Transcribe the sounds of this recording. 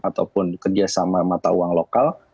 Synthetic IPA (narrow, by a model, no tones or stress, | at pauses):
at̪awpʊnkərd͡ʒasamamat̪auaŋlokal